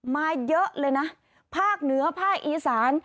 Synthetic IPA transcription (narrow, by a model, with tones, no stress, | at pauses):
maː˧jɤ˦˥ʔlɤː˧jna˦˥ | pʰaː˥˩k̚nɯ˩˦ɐpʰaː˥˩k̚ʔiː˨˧saː˩˦n